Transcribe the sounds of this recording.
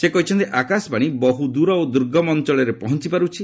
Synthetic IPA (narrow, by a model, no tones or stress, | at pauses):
sekɔɦit͡ʃʰɔnt̪iʔakaspaɽ̃ibɔɦud̪uɾɔod̪uɾɡʱɔmɔnt͡ʃɔɭeɾepɔɦɔnt͡ʃipaɾut͡ʃʰi